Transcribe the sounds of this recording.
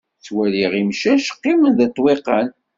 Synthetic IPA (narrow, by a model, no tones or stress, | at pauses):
t͡sːwæliʁimʃæʃqːimənðət̪ˤːwiqːən